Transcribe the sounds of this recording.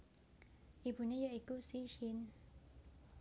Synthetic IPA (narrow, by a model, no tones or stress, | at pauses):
ibunijaikusiʃin